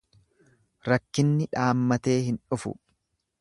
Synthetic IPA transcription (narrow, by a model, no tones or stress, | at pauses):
ɾɐkːɪnːɪᶑaːmːɐt̪e̞ːhɪnᶑʊfʊ̰